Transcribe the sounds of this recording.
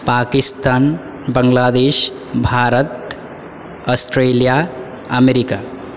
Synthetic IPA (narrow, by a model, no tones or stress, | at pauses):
paːkɪst̪aːn | bəŋɡlaːd̪eːʃ | bʱaːɾət̪ | ɔsʈɾeːlija | əmeɾika